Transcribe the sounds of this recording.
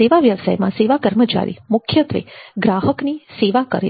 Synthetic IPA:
eʋaʋjəʋsa̰jmãseʋakəɾmət͡ʃa̰ɾḭmʊkʰjət̪ʋḛɡɾaɦəkniseʋakə̰ɾe

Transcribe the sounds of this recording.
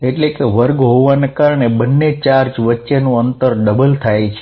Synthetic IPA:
eʈlekeʋəɾɡɦoʋanekaɾɳ̃ebənːet͡ʃaɾd͡ʒʋətːʃenũənt̪əɾɖəbəlt̪ʰajt͡ʃʰe

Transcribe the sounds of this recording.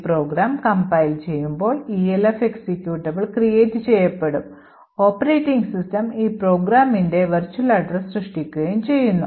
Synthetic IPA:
pro̞ːɡɾaːmkɐmbɐjilt͡ɕe̞jːumbo̞ːɭielefeksikʲjuːʈːɐbiɭkrijeːtːɨt͡ɕe̞jːɐpːe̞ɽum | o̞ːpːɐɾeːtːiŋɡsistɐmiːpro̞ːɡɾaːmindeʋɐrt͡ɕːuɐlɐɖresrɨʂʈikʲːuɣɐjumt͡ɕe̞jːunːu

